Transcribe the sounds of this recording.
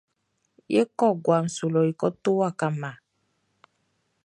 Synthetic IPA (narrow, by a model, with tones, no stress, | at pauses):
je˦kɔ˦˨ɡwa˨ŋ̩˨su˨lɔ˨i˨kɔ˦t̪o˦wa˦˨ka˨mã˨